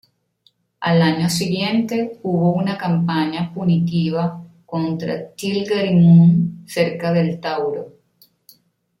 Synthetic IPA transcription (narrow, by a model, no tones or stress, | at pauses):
a̰laɲosiɣje̞nt̪e̞uβo̞unakampaɲapunit̪iβakont̪ɾa̰t͡ʃ̪ilɡaɾimunse̞ɾkaðelt̪awɾo